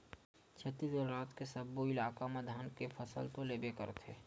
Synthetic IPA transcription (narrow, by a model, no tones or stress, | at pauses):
t͡ʃʰət̪ːisd̪əlɾaːt̪kesəbːoɪlaːkamad̪ʱaːnkepʰəsə̰lt̪oleːbekə̰ɾt̪ʰeː